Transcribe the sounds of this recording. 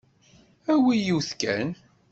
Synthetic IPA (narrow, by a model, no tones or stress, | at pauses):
æwijiwθkæn